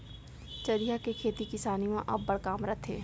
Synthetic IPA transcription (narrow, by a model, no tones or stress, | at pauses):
t͡ʃɐɾijakekʰeːt̪ikɪsaːnimãʔɐbːəɽkaːmɾət̪ʰɦḛ̃ː